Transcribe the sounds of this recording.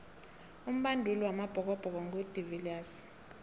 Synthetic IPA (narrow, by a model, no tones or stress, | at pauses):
um̩ɓandʱuliwamab̥ʱɔk̬ʼɔb̥ʱɔk̬ɔŋɡʱud̥ʱivilaːs